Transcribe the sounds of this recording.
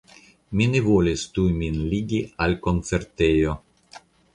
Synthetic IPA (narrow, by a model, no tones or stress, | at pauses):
minevolʲest̪ujminliɡʲialkont̪t͡seɾt̪ejo